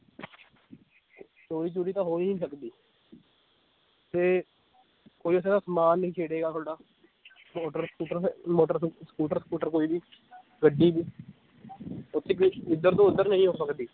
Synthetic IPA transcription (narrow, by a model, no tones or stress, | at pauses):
toːɾiːt͡ʃuːɾiːt̪ãːɦoːnɦĩːsəkd̪iː | t̪eː | koːiːəs̬ẽːd̪aːsmaːnːĩːkʰeːɽeːɡaːt̪ʰoːɽaː | moːʈəɾskuːʈəɾmoːʈəɾskuːʈəɾsəkuːʈəɾkoːiːbiː | ɡəɖːiːbiː | ʊt̪ʰːeːkɪd̪ːəɾt̪õːʊd̪ːəɾnəɦĩːɦoːsəkd̪iː